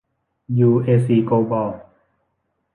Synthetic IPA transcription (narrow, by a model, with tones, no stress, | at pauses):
juː˧ʔeː˧siː˧koː˧bɔː˧˩